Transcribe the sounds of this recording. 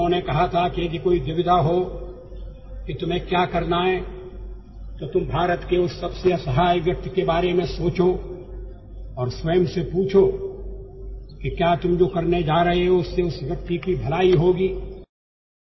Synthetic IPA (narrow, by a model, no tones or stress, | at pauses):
õnekɐɦat̪ʰakid͡ʒikoːid̪ɪʋɪd̪aɦo | kit̪ʊmɦẽkjaːkɐɾnaɦɛ | t̪ot̪ʊmbʱaːɾət̪keʊsːɐbseɐsɐɦaːjʋjɐk̚t̪kebaːɾemẽsoːt͡ʃo | ɔːɾswəjmsepuːt͡ʃʰo | kikjaːt̪ʊmd͡ʒoːkɐɾned͡ʒaːɾɐɦeɦɛʊsːeʊsʋjɐk̚t̪ikibʱɐlaːiɦoːɡiː